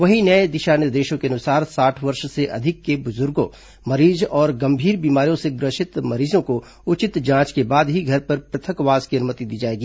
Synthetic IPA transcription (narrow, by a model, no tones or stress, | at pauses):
ʋɐɦinɐed̪ɪʃaːnjəd̪eːʃõkeɐnʊsaːɾsaːʈʰʋɐɾʃseʔɐ̰d̪ʱɪkːebʊzʊɾɡõ | mɐɾiːzɔːɾɡɐmbʱiːɾbiːmaːɾijõseɡɾɐʃɪt̪mɐɾiːzõko | ʊt͡ʃɪt̪d͡ʒãːt͡ʃkebaːd̪ɦiɡʱɐɾpɐɾpɾɐt̪ʰə̃kʋaːzkiɐnʊmət̪id̪iːd͡ʒaːeːɡiː